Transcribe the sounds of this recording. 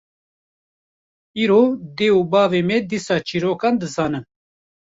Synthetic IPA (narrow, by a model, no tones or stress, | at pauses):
iːɾoːd̪eːuːbɑːveːmɛd̪isɑːt͡ʃʰiːɾoːkɑːnd̪ɨzɑːnɨn